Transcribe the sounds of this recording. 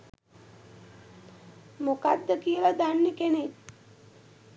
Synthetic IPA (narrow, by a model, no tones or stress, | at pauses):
mokad̪ːəkijəlad̪anːekenek